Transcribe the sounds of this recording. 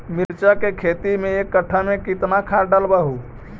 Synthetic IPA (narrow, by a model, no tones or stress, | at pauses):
mɪɾt͡ʃakekʰeːt̪imẽeːkːəʈʰːamẽkɪt̪nakʰaːɖaːlbaɦuː